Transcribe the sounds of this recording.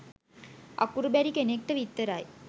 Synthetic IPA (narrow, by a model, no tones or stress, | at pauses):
a̰kuɾubæɾikenek̚ʈəʋit̪ːəɾaj